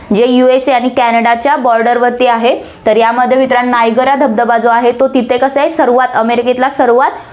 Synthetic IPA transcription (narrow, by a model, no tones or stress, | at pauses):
d͡ʑejueseaɽ̃ikænəɽat͡ɕjabɔɾɖəɾʋəɾt̪iaɦe | t̪əɾjaməd̪ʱːjemit̪ɾanːajɡəɾad̪ʱəb̚d̪əbad͡zoaɦet̪ot̪it̪ʰekəsəɦesəɾʋat̪əmeɾiket̪lasəɾʋat̪